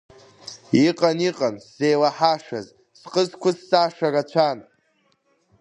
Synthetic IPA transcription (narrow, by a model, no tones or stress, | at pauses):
iqʼaniqʼansːe̞jlaħaʂa̰z | sqʼəzkʷʊsːaʂarat͡ɕʷʰan